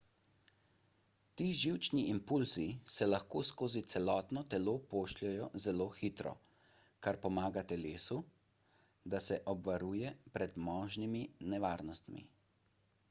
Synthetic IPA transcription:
t̪iːʒiwt͡ʃniʔimpulzisɛlaxkoːskoːzit̪sɛlɔːt̪nɔt̪ɛloːpoːʃlɛjɔzɛloːxiːt̪ɾɔ̰ | kaɾpɔmaːɡat̪ɛleːsu | d̪asɛʔɔbʋaɾuːjɛpɾɛd̪mɔːʒniminɛʋaːɾnɔst̪mḭ

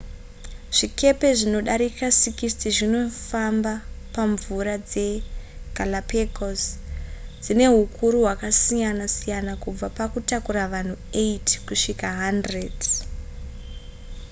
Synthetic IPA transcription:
ʐ̥ike̞pe̞ʐino̞ɗaɾikasikistiʐino̞fambapaɱvuɾad͡ze̞ɡ̥ʱalapʰekos | d͡zine̞ɦukʰuɾuɦwakasijanasijanakub͡vapakutakuɾaʋan̤ueitkuʂikaɦandred

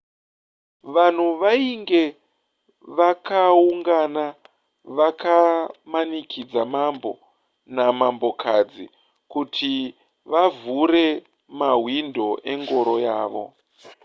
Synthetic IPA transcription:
ʋan̤uʋaiŋɡe̞ | ʋakauŋɡana | ʋakamanikʰid͡zamambo̞ | namambo̞kʰad͡zi | kutʰi | ʋavuɾe̞ | maɦwindʱo̞ʔe̞ŋɡo̞ɾo̞jaːʋo̞̰

